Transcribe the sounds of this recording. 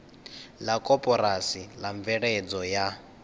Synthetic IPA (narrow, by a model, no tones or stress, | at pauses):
lakʼɔpʼɔɾasilaɱb̪vɛɺed͡zɔja